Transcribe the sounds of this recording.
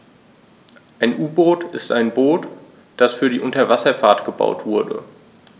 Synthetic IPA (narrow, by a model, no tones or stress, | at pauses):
ʔaɪnʔuːboːtɪstaɪnboːt | d̥asfyːɐɾiːʔʊntɐvasɐfaːɐtɡ̥əba̰ʊtv̥ʊɐdə̰